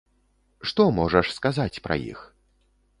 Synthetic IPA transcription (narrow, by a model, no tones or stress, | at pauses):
ʂt̪ɔmɔʐɐʂskazat͡sʲpɾɐ̰jḭx